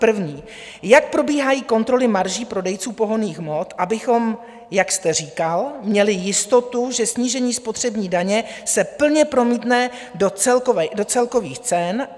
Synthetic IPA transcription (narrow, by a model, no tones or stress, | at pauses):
pr̩vɲiː | jak̚pɾo̞biːɦajiːko̞nt̪ɾo̞lɪmaɾʒiːpɾo̞dɛjt͡suːpo̞ɦo̞niːxmo̞t̪ʔabɪxo̞m | jakst̪ɛriːkalmɲɛlɪjɪst̪o̞t̪uʒɛsɲiːʒɛɲiːspo̞t̪r̝̥ɛbɲiːdaɲɛsɛpl̩ɲɛpɾo̞miːt̪nɛ | dot͡sɛlkovɛdo̞t͡sɛlko̞viːxt͡sɛn